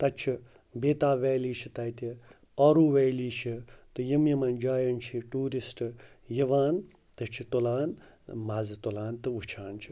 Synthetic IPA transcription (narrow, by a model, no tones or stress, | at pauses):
t̪ɐt͡ʃʰi | beːt̪aːʋɛːliːt͡ʃʰit̪ɐjt̪i | ɐɾuːʋejliːt͡ʃʰit̪ɨjimjimɐnd͡ʒaːjɐnt͡ʃʰiʈuːɾisʈɨ | jiʋaːn | t̪ɨt͡ʃʰit̪olaːn | maːzɨt̪olaːnt̪ɨut͡ʃʰaːnt͡ʃʰi̥